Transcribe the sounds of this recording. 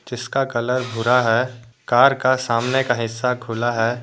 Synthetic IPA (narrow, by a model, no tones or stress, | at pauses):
d͡ʒɪskakɐləɾbʱʊɾaɦɛː | kaːɾkasaːmnekaɦɪsːaɡʰʱʊlaɦɛː